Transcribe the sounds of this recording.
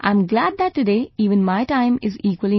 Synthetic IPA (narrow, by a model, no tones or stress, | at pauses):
ʔã̰ɪ̃mɡlæd̪̚d̪æt̚ːɨɖeːiːʋə̃nmaɪʈãɪ̃mɪziːkwəli